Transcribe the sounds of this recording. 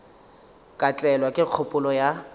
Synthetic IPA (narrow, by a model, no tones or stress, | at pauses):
kʼat͡ɬʼɛlwakʼɪq͡χʰʊpʼʊlɔja